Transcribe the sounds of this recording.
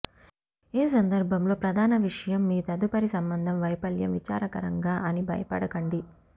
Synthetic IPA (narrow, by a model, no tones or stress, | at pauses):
eːs̬ɐnd̪ɐɾbʱɐmlo̞ːpɾɐd̪ʱaːnɐʋiʂɐjɐmːiːt̪ɐd̪upɐɾisɐmbɐnd̪ʱɐmʋɐjpɐljɐ̰mʋit͡ʃa̰ːɾɐkɐ̰ɾɐ̰ŋɡaːʔɐnibʱɐ̰jɐpɐ̰ɽɐkɐɳɖi